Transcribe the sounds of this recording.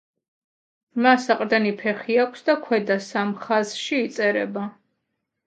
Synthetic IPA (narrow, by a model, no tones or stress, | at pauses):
masaqʼd̪ɛnipʰɛχiakʷʰsd̪akʰwɛd̪asamχazʃiːt̪sʼɛɾɛ̰ba